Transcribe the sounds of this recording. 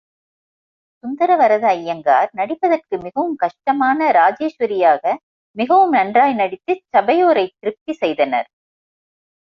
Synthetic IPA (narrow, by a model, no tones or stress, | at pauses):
sʊnd̪ɐɾɐʋɐɾɐðɐɐjːɐŋɡa̰ːɾnɐɽɪpːɐðɐrkɯmɪɣɐʋɯmkɐʂʈɐmaːnɐɾaːd͡ʒeːʂʋɐɾɪjaːɣɐ | mɪɣɐʋɯmnɐɳdraːjnɐɽɪt̪ːɯt͡ʃːɐbɐjoːɾɐɪt̪ɪɾɯp̚t̪isɛjðɐnɐ̰ɾ